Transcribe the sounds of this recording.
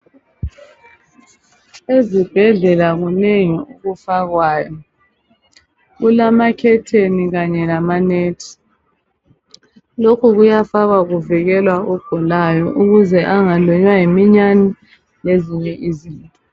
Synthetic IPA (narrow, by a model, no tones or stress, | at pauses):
ezib̥ʱɛɮɛlaɣuneŋiuɣufaɣwaːjɔ | ɣulamakʰɛtʰeniɣaɲɛlamaneːtʰi̥ | lokʰuɣujafaɣaɣuviɣɛlwaɔɡ̥ʱɔlajɔʔuɣuzɛʔaŋaluɲwajimiɲani | leziɲɛʔiziːntʼɔ